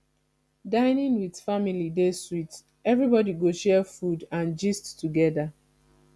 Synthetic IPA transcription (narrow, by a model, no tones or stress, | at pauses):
dãɪnĩŋwið̥familideswit | ɛvɹibɔdiɡoʃɛfudãnd͡ʒisttːuɡɛða